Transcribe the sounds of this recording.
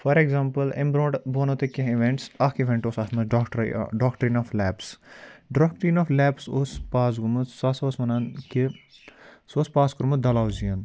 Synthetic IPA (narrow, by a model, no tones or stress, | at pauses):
fɐɾeɡzãːmpəlḛ̃mbɾoːɖboːnot̪ekẽɦiʋeɳʈsɐkiʋeɳʈoːsɐsmɐʈɾɖɔːkʈɾiːnɔflɛːpsɖɔːk̚ʈɾinɔflɛːpsospaːs̬ɡumɨsɐsoːsmɐnɐnki | soːspaːskɾumud̪ɐlaːwziɐn